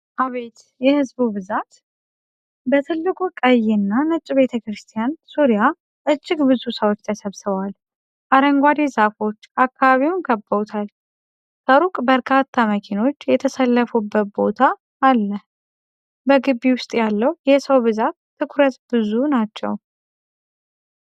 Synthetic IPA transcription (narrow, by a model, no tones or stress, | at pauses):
ʔaβe̞t̪ | jɛhɨzbubɨzat̪ | bət̪ʰɨlːɨkʷʼukʼəjːɛnːanɨt͡ʃʼːibe̞t̪ʰəkɾɨst̪ʰijansuɾija | ʔɨt͡ʃʼːɪɡbɨzusəwot͡ʃːt̪ʰəsəβsɨβwal | ʔaɾəŋɡʷad̪ezafo̞t͡ʃːakːaβaβiwʊnɡəbːət̪ʰal | t̪ʰəɾukʼbəɾkʰat̪ʰːaməkʰino̞t͡ʃːjɛt̪ʰəsəlːəfubːət̪̚bo̞t̪ʰaː | lːəh | bəɡɨbːiwʊst̪ʼjalːəwjɛsəwbɨzat̪ʰːɨkʰʊɾət̪bɨzunat͡ʃːɛ̰w